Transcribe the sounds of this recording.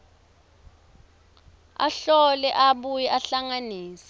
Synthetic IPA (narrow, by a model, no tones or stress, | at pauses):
a̰ɬɔlɛʔaɓujɛʔaɬaŋaniːsḁ